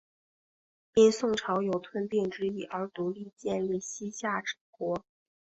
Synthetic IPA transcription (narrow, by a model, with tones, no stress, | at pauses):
i˥nsʊ˥˩ŋʈ͡ʂʰɑ˧˥ʊjo˨˩ʊt̪ʰwə˥nt̪i˥˩ŋʈ͡ʂɻ̩˥i˥˩ʔə˞˧˥t̪u˧˥li˥˧t͡ɕjɛ˥˧nli˥˩ɕi˥ɕja˥˩ʈ͡ʂɻ̩˨˩kwɔ˧˥